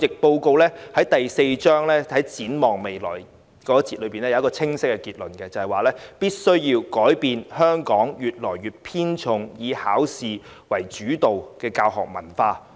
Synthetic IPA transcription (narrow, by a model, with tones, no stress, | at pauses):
t͡sɪ˨k̚po˧wko˧wlɛː˥hɐ˨˥jt̪ɐ˨jse˧jt͡ʃœː˥ŋlɛː˥hɐ˨˥jt͡siː˨˥nmɔː˨ŋme˨jlɔ̰ː˨˩j | kɔː˨˥t͡siː˧t̚lɵ˨˧˥piː˨nɛː˦˥jɐ˧˦˥kɔː˧t͡sʰɪ˥ŋsɪ˥kːɛ˧kiː˧˩t̚lɵ˨nkɛː˧t͡sɐ˨hɐ˨˩jwaː˨lɛː˥piː˥t̚sɵ˥ɥjiː˧wkɔː˨˥jpiː˨nhœː˥ŋkɔː˨˥ŋjyː˨t̚lɔː˨˩jɥyː˨t̚pʰiː˥nt͡ʃʰʊ˨˧ŋjiː˨˧haː˨˥wsiː˨ | wɐ˨˩jt͡ʃyː˨˥t̪o˨wkɛː˧kaː˧wɦɔ̰ː˨˩k̚mɐ̰˨˩nfaː˧